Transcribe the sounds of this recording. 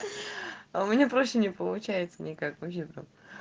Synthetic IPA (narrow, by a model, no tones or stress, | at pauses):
ʊmʲɪnʲepɾo̞ɕːɪnʲɪpəlˠʊt͡ɕæjɪt̪sənʲɪkakvɐpɕʲebɾo